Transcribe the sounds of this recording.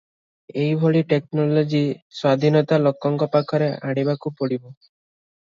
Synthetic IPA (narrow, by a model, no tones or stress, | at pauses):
ejbʱoɭiʈeknɔlod͡ʒiswad̪ʱinɔt̪alɔkːɔŋkɔpakʰɔɾeaɽ̃ibakupɔɽibɔ